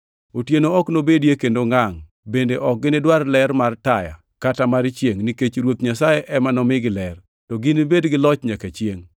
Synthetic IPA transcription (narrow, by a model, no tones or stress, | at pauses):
otjenoɔknobedjekendoŋaŋ | bendeʔɔk̚ɡɪnɪdwarlɛɾmartaja̰ | katamaɾt͡ʃjeŋniket͡ʃɾwot̪ɲasajeʔɛmanɔmɪɡɪlɛr | tɔɡɪnibedɡɪlɔt͡ʃɲakat͡ʃjeŋ